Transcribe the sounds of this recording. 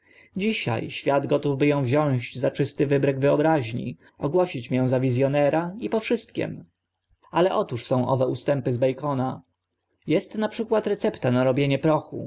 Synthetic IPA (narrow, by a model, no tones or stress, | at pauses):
d͡ʑiɕa̰jɕfʲjad̪ɡɔt̪uvbɘjɔ̃w̃vʑɔ̃w̃ʑd͡ʑzat͡ʂɘst̪ɘvɘbɾɛɡvɘɔbɾaʑɲḭ | ɔɡwɔɕit͡ɕmjɛ̃w̃zavʲizʲjɔnɛɾaipɔfʂɘst̪kʲɛ̰m | alɛʔɔt̪uʂsɔ̃w̃ʔɔ̰vɛust̪ɛmpɘzbɛjkɔna | jɛst̪napʂɘkwat̪ɾɛt̪sɛpt̪anaɾɔbʲjeɲɛpɾɔxṵ